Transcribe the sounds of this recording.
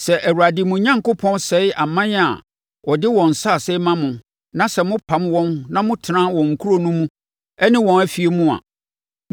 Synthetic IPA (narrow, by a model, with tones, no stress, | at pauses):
sɛ˨ʔæ˨wu˨ɾa˨dɪ˨mʊ̃˨ɲã˦ŋko˦pʰɔ̃˦nsɛ˨˦ja˨mã˦a̰˨ | wɔ˨dɪ˦wɔ̃˨n̩˨sa˦˨sɛ˦mã˦mʊ̃˨ | nã˦sɛ˨mʊ̃˦pʰã˨˦mwɔ̃˦nnã˦mʊ̃˦tʰɪ˨nã˦wɔ̃˨ŋ̩˨kʰu˦ɾo˦nũ˦mũ˦ | ɛ˦nɪ̃˦wɔ̃˨næ˦fi˨e˨mʊ̃˦a̰˨